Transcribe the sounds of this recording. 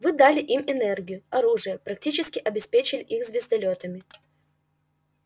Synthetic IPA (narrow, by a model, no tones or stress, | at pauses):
vɨd̪alʲɪʔimɪnɛrɡʲɪjʊɐɾuʐɨjəpɾɐk̚tʲit͡ɕɪskʲɪʔɐbʲɪspʲet͡ɕɪlʲɪʔixzvʲɪzd̪ɐlʲot̪əmʲɪ